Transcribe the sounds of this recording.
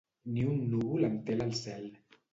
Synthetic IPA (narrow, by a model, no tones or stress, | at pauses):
niunːuβulant̪elalsɛl